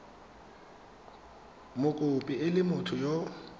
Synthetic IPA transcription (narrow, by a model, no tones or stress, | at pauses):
mʊkʼʊpʼiɪlɪmʊtʰʊjɔ